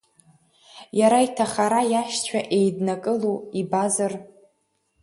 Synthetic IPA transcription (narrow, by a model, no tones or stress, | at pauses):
jaɾaitʰaχaɾajaʃt͡ɕʷʰaʔe̞jdnakʼɨluibazɨr